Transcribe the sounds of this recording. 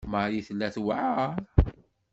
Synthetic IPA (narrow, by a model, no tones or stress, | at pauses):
majiθəlːæθwaʕa